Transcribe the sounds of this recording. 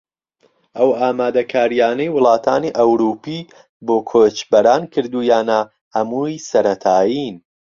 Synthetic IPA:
ʔɐwaːmaːd̪ɐkʰaːɾijaːnɐjwʊlˠɑːt̪ʰaːniʔɐwɾuːpi | boːkʰoːt͡ʃbɐɾaːnkʰɨɾd̪uːjaːna | ɐmuːjsɐɾɐt̪ʰaːjin

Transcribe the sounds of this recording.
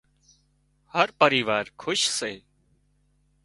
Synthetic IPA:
həɾpəɾiːʋaːɾkʰʊʃseː

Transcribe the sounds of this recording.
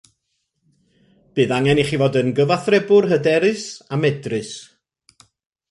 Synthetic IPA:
b̥ɨːðaŋɛniχiːvodənɡəvaθrɛbʊrɦədɛɾɨsamɛdrɨs

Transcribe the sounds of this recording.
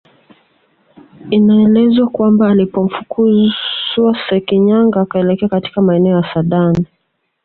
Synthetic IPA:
inaɛlɛzwakwambaːlipɔm̩fukʰuzwasɛkiɲaŋɡaːkaɛlɛkɛakati̥kamaɛnɛɔjasaɗani

